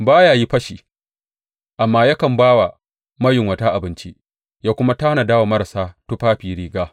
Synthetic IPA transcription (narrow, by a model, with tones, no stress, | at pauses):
baː˦jaː˨ji˦ɸɐ˦ʃiː˨ | ʔa˨mːaː˦ja˦kɐ˨mbaː˦wa˨ | mɐ˦jɪ˨ŋwɐ˨taː˦ʔa˨bɪ˦nt͡ʃi˦ʔ | jaː˦kʷʊ˦ma˦ta˦hna˨daː˦wa˨mɐ˦ɾa˨saː˦tu˦ɸaː˦ɸiː˨ɾiː˨ɡaː˦